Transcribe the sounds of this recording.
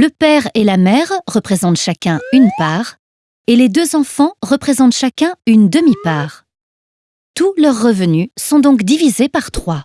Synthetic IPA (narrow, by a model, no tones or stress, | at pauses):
ləpɛʁelamɛʁʁəpχezɑ̃t̪ʃakʲɛ̃ynpaːʁ | eled̪øzɑ̃fɑ̃ʁəpχezɑ̃t̪ʃakʲɛ̃ynd̪əmipaːʁ | t̪ulœʁːəvənysɔ̃d̪ɔ̃kd̪ivizepaʁt̪χwa